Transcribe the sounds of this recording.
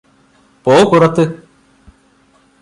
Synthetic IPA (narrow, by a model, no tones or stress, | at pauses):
poːkurɐt̪ːɨ